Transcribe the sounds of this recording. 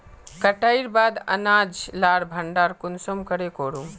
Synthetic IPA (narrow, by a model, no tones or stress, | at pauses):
kəʈaiɾbaːd̪ə̰nad͡ʒlaːɽbʱəɳɖaːɾkʊnsomkəɽekoːɽũ